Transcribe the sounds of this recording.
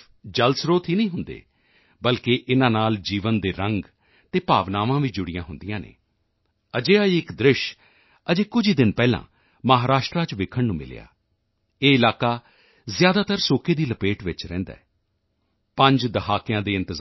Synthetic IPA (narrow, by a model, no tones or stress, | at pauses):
d͡ʒəlsɾoːt̪ɦiːnəĩːɦʊnd̪ḛː | bəlkeʔɪnãːnaːld͡ʒiːʋənd̪eːɾəŋɡ | t̪eːpaːʋnaːʋãːʋiːd͡ʒʊɽɪjãːɦʊnd̪ijãːnḛː | əd͡ʒeːaiɪkd̪ɾɪʃ | əd͡ʒeːkʊd͡ʒiːd̪ɪnpɛːlã̰ː | məɦaːɾaːʃʈɾaːt͡ʃʋɪkʰːəɳnũːmɪ̰lḛːa̰ː | eːɪlaːkaː | zjaːd̪aːt̪əɾsoːkeːd̪iːləpeːʈʋɪt͡ʃɾɛ̰̃ːnd̪a̰ːɛː | pə̃ɲd͡ʒd̪əɦaːkɪjãːd̪eːɪ̃nt̪ɪz